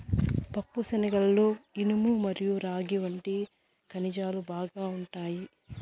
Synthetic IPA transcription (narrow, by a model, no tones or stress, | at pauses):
pɐpːusɐnɐɡɐlːoːinumumɐɾijuɾaːɡiʋɐɳʈi | kɐnid͡ʒaːlubaːɡaːuɳʈaːji